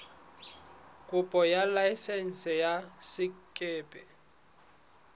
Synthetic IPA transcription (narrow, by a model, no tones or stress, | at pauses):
kʼʊpʼɔjalaɪsɛn̩sɛjasɪkʼɪːpʼɛ